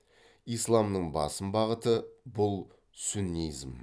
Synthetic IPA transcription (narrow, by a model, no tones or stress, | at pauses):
ijslˠɑmnəɴbɑ̰səmbɑʁət̪əbʊlˠ | sunijzm